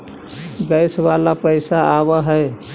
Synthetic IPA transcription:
ɡəjsʋalapəɪsaaβəɦə

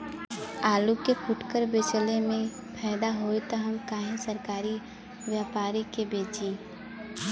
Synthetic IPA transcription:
aːlukepʰʊʈkəɾbet͡ʃlemẽ | pʰɛːɪd̪aɦoet̪ɔɦəmkaːɦẽsəɾkaːɾi | ʋjaːpaːɾikebeːd͡ʒẽː

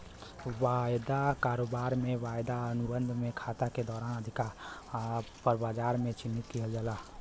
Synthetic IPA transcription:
wajd̪akaːɾoːbaːɾmẽʋaːjd̪aənʊbənd̪ʱmẽkʰat̪aked̪ɔːɾaːnəd̪ʱɪkaɾ | pəɾbaːd͡ʒaːɾmẽt͡ʃɪnːit̪kiɦeld͡ʒalaː

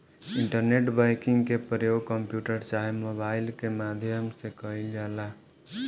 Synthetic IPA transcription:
iɳʈəɾneʈbajkiŋɡkepɾjoɡ̚kəmpjuʈəɾt͡ʃaɦemobailkemad̪ʱjəmsẽkəild͡ʒala

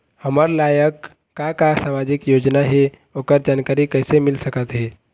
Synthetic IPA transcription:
həməɾlajəkː | akasamad͡ʒɪkjod͡ʒnaɦe | oːkəɾd͡ʒankaɾikəɪsemɪlsəkət̪ɦeː

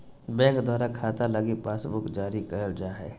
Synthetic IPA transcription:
bɛ̃ːŋkd̪waːɾakʰaːt̪aləɡipaːsbʊkd͡ʒaːɾikəɾəld͡ʒaːɦɛ̰ː

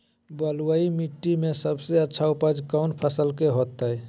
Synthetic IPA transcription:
bəluaimiʈːimesəbseətːt͡ʃʰaupəd͡ʒkaʊnpʰəsəlkeɦot̪ːəj

